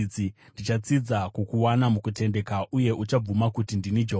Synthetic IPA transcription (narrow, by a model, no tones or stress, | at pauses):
d͡zindit͡ʃat͡sid͡zakukuwanamukute̞nde̞kaʔuje̞ʔut͡ʃab͡vumakutindinid͡ʒo